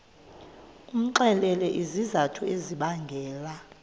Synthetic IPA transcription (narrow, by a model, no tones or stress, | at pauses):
um̩ǃɛlɛlɛʔizizatʰueziɓaŋɡʱɛːla